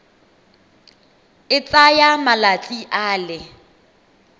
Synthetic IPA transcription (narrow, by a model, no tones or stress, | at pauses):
ɪt͡sʼajamalat͡sʼiʔaːlɪ